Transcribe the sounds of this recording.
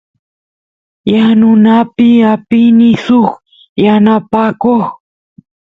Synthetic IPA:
janʊnapɪapɪnɪsʊχ | janapakoχ

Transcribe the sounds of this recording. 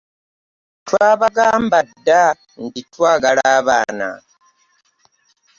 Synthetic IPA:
twaːβaɡaːmbadːa | nditwaːɡalaːβaːna̰

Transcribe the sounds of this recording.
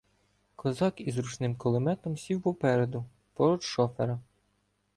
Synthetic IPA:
kɔzɑkizɾut͡ʃnɪmkɔlˠɪmɛt̪ɔmsʲiwpɔpɛɾed̪ʊ | pɔɾɔdʃɔfeɾɐ

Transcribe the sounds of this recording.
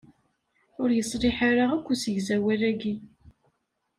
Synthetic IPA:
ʊɾjəsˤɾɪħaɾaʁækʷːusəʝzæwæræɡi

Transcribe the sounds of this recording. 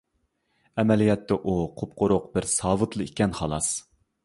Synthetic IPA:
ɛmɛlijɛt̪ʰːɛʔuqʰop̚qʰʊɾʊqbɪɾsɑːvɨt̪lˠɨikʲɛnχɑlˠɑs

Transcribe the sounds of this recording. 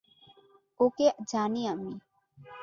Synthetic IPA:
oked͡ʒaːniami

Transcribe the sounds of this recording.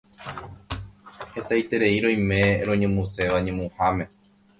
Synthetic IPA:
he̞t̪ajt̪e̞ɾe̞iɾõ̞j̃mẽ̞ɾõ̞ɲẽmũse̞ʋaɲẽmũhamẽ̞

